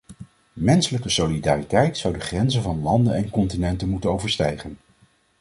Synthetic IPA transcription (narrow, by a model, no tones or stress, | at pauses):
mɛnsələkəsolidaːritɛjtsɑwdəχrɛnzənvɑnlɑndənɛnkɔntinɛntənmutənowvəɹstɛjχən